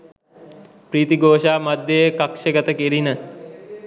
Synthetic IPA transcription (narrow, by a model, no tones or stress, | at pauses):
pɾiːt̪iɡoːʃaːmad̪jəjkakʃəɡət̪əkeɾinə